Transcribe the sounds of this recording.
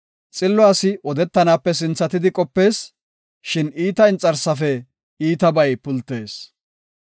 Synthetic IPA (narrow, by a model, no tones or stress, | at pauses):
t͡sʼɪlːɔaːsɪʔɔd̪ɛt̪ːɐnaːpːɛs̬ɪnt͡sːɐt̪ɪd̪ɪkʼɔpːe̞ːs | ʃɪniːt̪ɐɪnt͡sʼːɐɾsɐfɛ | iːt̪ɐbɐjpʊlt̪ːeːs